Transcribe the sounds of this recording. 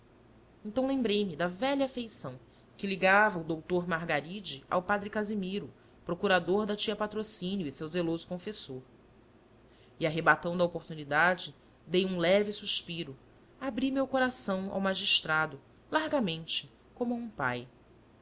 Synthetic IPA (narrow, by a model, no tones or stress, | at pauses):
ẽnt̪ɐ̃w̃lẽmbɾejmɪd̪ɐvɛʎafejsɐ̃w̃ | kɪliɡavɐud̪owt̪oɾmaɾɡaɾid͡ʒɪa̰wpad̪ɾɪkazimiɾʊ | pɾokuɾad̪oɾd̪ɐt͡ʃiɐpat̪ɾosĩnjʊisewzelozʊkõfesoɾ | iaɦebat̪ɐ̃w̃d̪ɐopoɾt̪unid̪ad͡ʒɪ | d̪ejũlɛvɪsuʃpiɾʊ | abɾimewkoɾasɐ̃w̃a̰wmaʒiʃt̪ɾad̪ʊ | laɾɡamẽnt͡ʃɪ̥ | kõmʊaũpa̰j